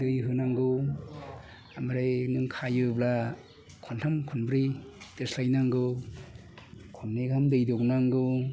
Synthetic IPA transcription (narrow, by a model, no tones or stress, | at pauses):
dɯjɦɯnaŋɡɯw | amaɾɯjnɯŋkʰajɯbla | kʰɔntʰamkʰunbɾiteslajnaŋɡɯw | kʰɔnneɡamdɯjdɔknaŋɡɯ